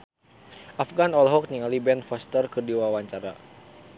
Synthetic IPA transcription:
ʔafɡanɔlɦɔk̚niŋalibɛnfɔst̪ərkərdiwawaɲt͡ʃaɾa̰

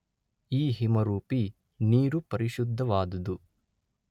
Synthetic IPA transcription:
iːɦimɐɾuːpi | niːɾupɐɾiʃud̪ʱːɐʋaːd̪ɐd̪u

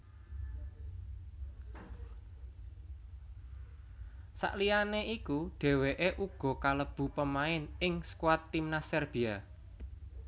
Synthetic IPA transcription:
sa̰ʔlianeʔikuɖ̥e̤weʔeʔuɡ̥ɔ̤kaləb̥ṳpəmaɪnɪŋskwat̪ːimnasɛrb̥ia

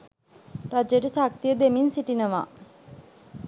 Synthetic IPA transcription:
ɾad͡ʒəɾisak̚t̪ijəd̪eminsiʈinəʋa̰

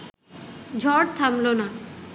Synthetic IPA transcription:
d͡ʑʱɔʈ̚t̪ʰamlona

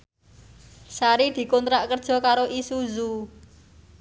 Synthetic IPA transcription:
saɾid̪̥i̤kɔnt̪ɾaʔkərd̥ʒ̥ɔ̤kaɾoʔisuzu

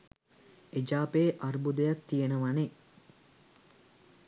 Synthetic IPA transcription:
ed͡ʒaːpeːʔarbud̪əjak̚t̪ijenəʋane

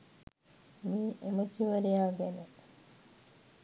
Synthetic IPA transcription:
miʔemɐkiʋɐɾijaːɡene

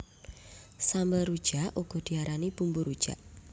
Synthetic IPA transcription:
sambəlrud̥ʒ̥aʔʔuɡ̥ɔ̤d̥iaɾanib̥umbuɾud̥ʒ̥a̰ʔ

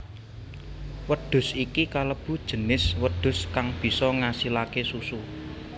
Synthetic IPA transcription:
wəɖ̥ʊ̤sikikaləb̥ṳd̥ʒ̥ə̤nɪswəd̪̥ʊ̤skaŋb̥i̤sɔŋasilakesusu

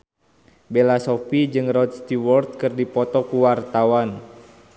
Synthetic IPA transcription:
belasɔpid͡ʒɨŋrɔd̪̚st̪iwɔrt̪̚kɨrdipɔt̪ɔkuwart̪awan

